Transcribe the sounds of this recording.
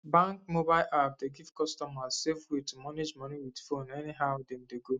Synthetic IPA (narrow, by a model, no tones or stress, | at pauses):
bãŋkmobaɪlʔap̚deɡivkɔstɔmazsefwetumaned͡ʒmɔniwidfonɛniɦaʊdem̩deɡo